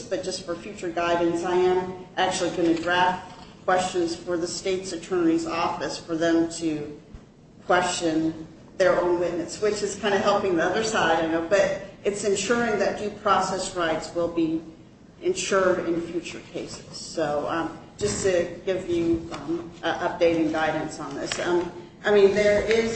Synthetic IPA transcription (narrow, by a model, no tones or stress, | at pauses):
b̥ʌt̚d̥ʒ̥ʌstfə˞fjʉt͡ʃə˞ɡaɪɾɪ̃ŋzaɪɨ̃mʔæk̚t͡ʃʉl̩ˠiɡʌñɨdɹæft̚kʰw̥ɛst͡ʃɨ̃nz̥fə˞ðəsteɪtsɨtʰɜ˞nɨɾizɔfɨsfə˞ðɨ̃mtʰɨ | kʰw̥ɛst͡ʃɨ̃n | ðə˞õʊ̃nwɪʔⁿnɨswɪt͡ʃɨz̥kʰãɪ̃ndɨɦɛlˠpɪ̃ŋðiʌðə˞saɪɪɾõnːoʊbʌɾɨtsɨ̃nʃʊɹɪ̃ŋðɨt̚d̥ʉpʰɹ̥ɔsɛsɹaɪtswɪlˠbi | ɨ̃nʃʊɹɾɪ̃nfjʉt͡ʃə˞kʰeɪsɨz̥soʊd̥ʒ̥ʌstʰɨɡ̥ɪvjʉ | ʔʌp̚d̥eɪɾɪ̃ŋɡaɪdⁿn̩sn̩ðɪsʌ | ʔaɪmĩnðə˞ɪz̥